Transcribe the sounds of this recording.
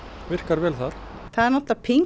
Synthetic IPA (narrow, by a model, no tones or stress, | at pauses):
vɪr̥kaɾvɛːlθaɾ̥θaðɛɾnɔt̪lapʰiŋ